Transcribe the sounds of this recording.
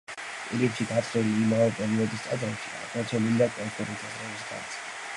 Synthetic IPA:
pʼiɾipʃiɡ̪at̪sʰɾɛliːmavɛpʼɛɾiɔd̪ist̪ʼad̪ɾɛpʃia̰ɡmat̪t͡ʃ̪ʰɛlilid̪akʼɔmkʰuɾɛt̪ʰazɾɛvisɡa̰ɾt̪sʰɛ̥

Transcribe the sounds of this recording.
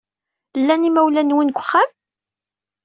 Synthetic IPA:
lːænimæwlænwinkʷːχːam

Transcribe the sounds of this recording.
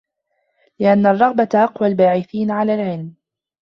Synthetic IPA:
lɪʔanːarˤːɑɣbatʔɑqwalbaːʕɪθiːnʕalaːlʕɪlm

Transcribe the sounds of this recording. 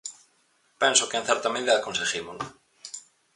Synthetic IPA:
pɛnsokeenθɛɾt̪amẽakonseximolʊ

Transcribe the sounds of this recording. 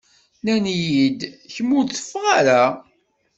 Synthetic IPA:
nænjid̪çəmːʊθə̥fːʁaɾæ

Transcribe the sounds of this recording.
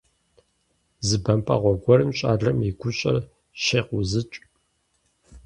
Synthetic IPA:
zɨbɐmpʰɐ̰ʁʷɔɡʷɔrɨmɕʼa̰ːɮɐmiɡʷʊɕʼɐ̰r | ʃeːqʷʊzɨt͡ʃʼ

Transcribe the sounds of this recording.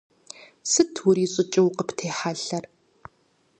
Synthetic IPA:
sɨtʰwʊɾiːɕʼɪt͡ʃʼɪwqəptʰeːħaɬɐr

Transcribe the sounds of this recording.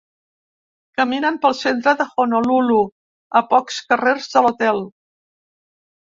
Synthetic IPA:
kəminəmpəlˠsent̪̬ɾəðəxonolulu | əpɔkskəreɾzðəlut̪ɛlˠ

